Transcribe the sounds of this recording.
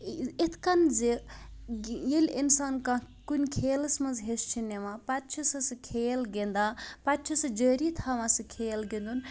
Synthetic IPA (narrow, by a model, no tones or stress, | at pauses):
it̪ʰkɐnzi | jilʲinsaːnkã | kunʲkʰeːlɐsmɐnzɦest͡ʃʰinemãpat̪̚t͡ʃʰisɐsɨkʰeːlɡend̪aːpat̪̚t͡ʃʰɐsɨd͡ʒəɾit̪ʰaʋãsɨkʰeːlɡind̪un